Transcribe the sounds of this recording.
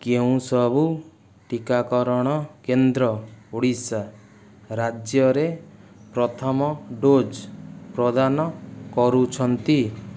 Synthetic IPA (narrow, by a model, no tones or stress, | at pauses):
keũsɔbu | ʈikakɔɾɔɽ̃ɔkend̪ɾɔuɽisa | ɾad͡ʒjɔɾepɾɔt̪ʰɔmɔɖod͡ʒpɾɔd̪anɔkɔɾut͡ʃʰɔnt̪i